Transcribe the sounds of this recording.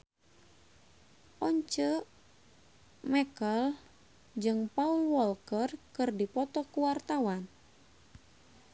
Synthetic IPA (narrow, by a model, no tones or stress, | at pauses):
ʔɔɲt͡ʃə | mɛkəl | d͡ʒɨŋpaulwɔlkərkɨrdipɔt̪ɔkuwart̪awan